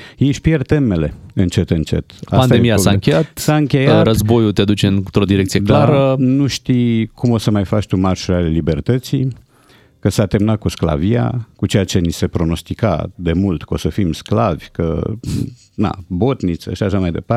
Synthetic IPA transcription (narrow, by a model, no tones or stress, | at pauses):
jeʃʲpijert̪e̞me̞le̞ɨnt͡ʃe̞t̪ɨnt͡ʃe̞̰t̪a̰pasnd̪aeemijaosaɨɨŋkʲejjat̪saɨŋkʲe̞jaɾəzbo̞jut̪ead̪ut͡ʃeɨnt̪ɾo̞d̪iɾek̪̚sijedk̪laɾənuʃt̪ikʰumo̞səmajfat͡ʃt̪umarʃoɾeale̞libe̞rt̪ət̪si | kəsat̪emnat̪̚kuskla̰via̰kut͡ʃe̞jat͡ʃe̞nise̞pɾo̞no̞st̪ika̰d̪e̞mult̪ko̞̰səfimsklavʲkə̰ | na̰bo̞t̪nit̪sə̰ʃiaʃamajd̪e̞̰pa